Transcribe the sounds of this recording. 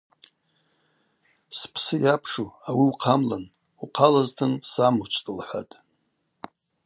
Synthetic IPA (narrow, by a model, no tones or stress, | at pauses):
spʰsɨjapʰʂuawiuqʰamlan | uqʰalaztʰɨnsamut͡ʃʰʼtʼɨlħʷa̰tʼ